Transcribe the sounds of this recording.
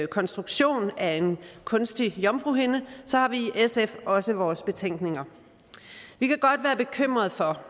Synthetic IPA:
kʰɒ̽nsd̥ʁuɡ̥ɕo̝̰ːnæe̝nkʰɔ̽nsd̥ijɒ̽mfʁuɦe̝nəsɒ̽hɑ̈ʋiʔesefɒ̽səʋɒːsb̥e̝t͡sʰeŋ̰ɡ̥ne̝ŋɐ | ʋikʰæɡ̥ɒ̽d̥ʋæːɐb̥e̝kʰøm̰ʁɐð̞̩ˠfɒ̽

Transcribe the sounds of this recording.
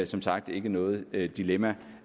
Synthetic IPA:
sɒ̽msɑ̈ɡ̥̚d̥e̝ɡ̥ənɔ̽ːð̞̩ˠd̥ilemæ

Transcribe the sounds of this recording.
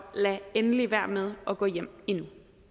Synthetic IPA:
lɛenəliʋæɐ̰með̞ˠɒ̽ɡ̥ɔ̰̽ːjem̰inu

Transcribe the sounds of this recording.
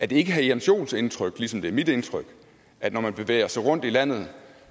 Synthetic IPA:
æd̥e̝e̝ɡ̥əɦæiænɕo̝̰ːnse̝nt͡sʰʁœɡ̥lisɒ̽md̥e̝ɐmid̥ent͡sʰʁœɡ̥ | ʔæd̥nɒmænb̥e̝ʋḛɪ̰ɐsɑ̈ɪʁɔ̽n̰d̥ilæn̰ð̞̩ˠ

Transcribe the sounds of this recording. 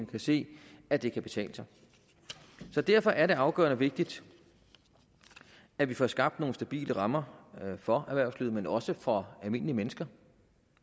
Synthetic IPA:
kʰæse̝̰ːæd̥e̝kʰæb̥e̝t͡sʰɛ̰ːləsɑ̈ɪ | sɒ̽d̥æɐfɒ̽ʔæɐɾe̝ɑ̈ʊɡ̥œ̰ːɐnəʋe̝ɡ̥̚d̥id̥ | æʋifɒsɡ̥ɑ̈b̥̚d̥no̝ːn̩sd̥æb̥ḭːlʔəʁɑ̈mɐfɒ̽æʋæɐʊslyðˠmenɒ̽səfɒ̽ælme̝n̰əliəmenəsɡ̥ɐ

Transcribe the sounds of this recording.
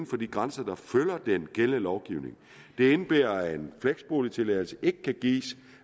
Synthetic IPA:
n̩fɒ̽d̥iɡ̥ʁansɐd̥ɑ̈følɐd̥enɡ̥eləlɒʊɡ̥iʊ̰ne̝ŋ | d̥e̝e̝nəb̥ḛːɐenfleɡ̥sb̥o̝ːlit͡sʰe̝lɛðˠl̩səʔe̝ɡ̥əkʰæɡ̥ḭːs

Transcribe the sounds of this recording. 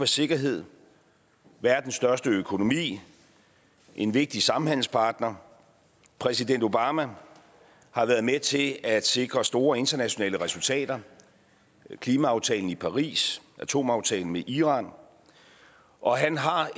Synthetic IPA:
æse̝ɡ̥ɐɦe̝ð̞̰ˠ | ʋæɐd̥n̩sːd̥ɶɐsd̥əøkʰo̝no̝mḭː | ʔe̝nʋe̝ɡ̥̚d̥isɑ̈m̩hæn̰l̩spʰɑ̈ːd̥nɐ | pʰʁɛsiden̰d̥o̝b̥ɑ̈ːmæ | hɑ̈ʋæːɐð̞ˠmet͡sʰe̝æd̥se̝ɡ̥ʁɐsd̥o̝ːɐe̝nd̥ɐnæɕo̝nɛ̰ːləʁɛsult͡sʰɛ̰ːd̥ɐ | kʰliːmæɑ̈ʊt͡sʰɛ̰ːln̩ipʰɑ̈ʁḭːsʔæt͡sʰo̝̰ːmɑ̈ʊt͡sʰɛ̰ːln̩meʔiʁɑ̈n | ʔɒ̽ɦænɦɑ̈

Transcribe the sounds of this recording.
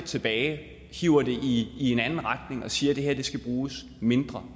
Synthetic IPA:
t͡sʰe̝b̥ɛːɪ | hiʊ̰ɐd̥e̝ʔiie̝nænn̩ʁɑd̥ne̝ŋɒ̽siːɐd̥e̝ɦeɐ̰d̥e̝sɡ̥æb̥ʁuːs | me̝nd̥ʁɐ

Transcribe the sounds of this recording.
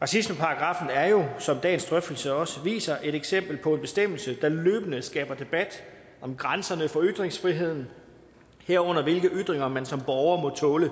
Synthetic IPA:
ʁɑ̈sisməpʰɑ̈ɑɡ̥ʁɑ̈fn̩æɐjo̝sɒ̽md̥ɛ̰ːnsd̥ʁœfd̥l̩səɒ̽səʋḭːsɐʔe̝ɾ̥eɡ̥sem̰b̥l̩pʰɒ̽e̝nb̥e̝sd̥em̰l̩səd̥ælø̰ːb̥ənəsɡ̥ɛ̰ːb̥ɐd̥e̝b̥æd̥ | ɒ̽mɡ̥ʁansɐnəfɒ̽yd̥ʁeŋsfʁiɦe̝ð̞̰ˠn̩ | heɐ̰ɔ̽n̰ɐʋe̝lɡ̥əʔyd̥ˠʁeŋɐmænsɒ̽mb̥ɒʊɐmɔ̽t͡sʰɔ̽ːlə

